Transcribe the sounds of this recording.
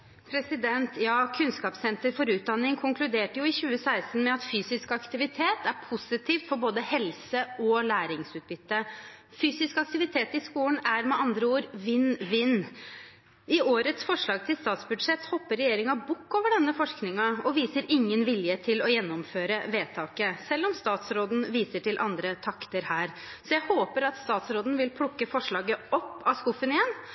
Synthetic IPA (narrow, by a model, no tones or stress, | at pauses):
pʰɾɛsɪd̪ɛnt̪ʰjɑːkʰʉnskɑːpsɛnt̪əɾfɔɾʉːt̪̚d̪ɑnːɪŋkʰʊŋkʰlʉd̪eːʈəjʊɪçʉːəsæɪst̪n̩mɛɑt̪fyːsɪskɑkt̪ɪʋɪt̪ʰeːt̪æɾpʰʊsɪt̪ʰiːft̪fɔɾboːd̪əhɛlsəɔlæːɾɪŋsʉːt̪̚bʏt̪ːə | fyːsɪskɑk̚t̪ɪʋɪt̪ʰeːt̪ɪskuːnæɾmɛʔɑnd̪ɾəuːɾʋɪnːʋɪnː | ɪoːɾət̪sfɔʂɭɑːɡ̚t̪ʰɪlst̪ɑːt̪sbʉd̪ʂɛt̪hɔpːəɾɛjeːɾɪŋɑbʊkːoːʋəɖɛnːəfɔʂknɪŋɑɔʋiːsəɾɪŋːənʋɪljət̪ʰɪlɔjɛnːɔmføːɾəʋeːt̪ʰɑːkəsɛlːɔmst̪ɑːt̪sɾoːd̪n̩ʋiːsəʈʰɪlʔɑnd̪ɾət̪ʰɑkt̪əɾhæːɾ | sɔjæɪhoːpəɾɑt̪st̪ɑːt̪sɾoːd̪n̩ʋɪlpʰɽʊkːəfɔʂɭɑːɡəɔpːɑskʊfənɪɛn